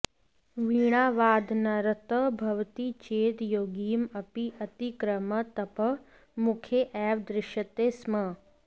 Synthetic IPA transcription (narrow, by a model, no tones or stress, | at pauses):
ʋiːɽ̃aːʋaːd̪ʱnɐɾət̪əbʱɐʋt̪it͡ʃeːd̪joːɡiːmɐpiʔɐt̪ikɾəmət̪ɐpɐ | mʊkʰjeʔɛːʋd̪ɾɪʃət̪eːsmɐ